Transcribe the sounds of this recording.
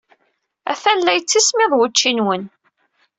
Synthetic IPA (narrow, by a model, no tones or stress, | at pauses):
æ̰fænlæjt͡sːismɪðˤwət͡ʃːinwən